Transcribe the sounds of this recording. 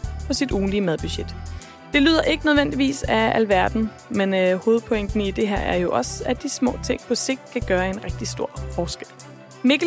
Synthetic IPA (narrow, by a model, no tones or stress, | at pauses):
pʰɒ̽sid̥uːn̩liəmæðˠb̥yɕed̥ | d̥e̝lyːðˠɐʔe̝ɡ̥ənøð̞ˠʋen̰d̥iʋḭːsæælʋæɐd̥n̩ | menho̝ːð̩ˠpʰɔ̽eŋ̰d̥n̩id̥e̝ɦeɐ̰æɐjo̝ʔɒ̽sæd̥ismɔ̰̽ːt͡sʰe̝ŋ̰pʰɒ̽se̝ɡ̥̚d̥̚kʰæɡ̥ɶːɐe̝nʁeɡ̥̚d̥isd̥o̝ɐ̰fɒːsɡ̥el̰ | meɡ̥